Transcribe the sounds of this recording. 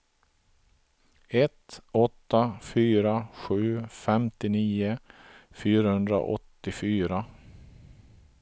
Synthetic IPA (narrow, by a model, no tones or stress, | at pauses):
ɛt̪ɔt̪ːafyːɾaɧʉ̟ːfɛmt̪ɪniːəfyːɾahɵnd̪ɾa̰ʔɔ̰t̪ːɪfyːɾa